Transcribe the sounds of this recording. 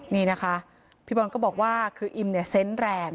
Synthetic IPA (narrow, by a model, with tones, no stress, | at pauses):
niː˥˩na˦˥kʰa˦˥ | pʰiː˥˩bɔ˧nkɔː˥˩bɔː˨˩k̚waː˥˩kʰɯː˧ʔi˧mni˥˩ɐse˦˥nɾɛː˧ŋ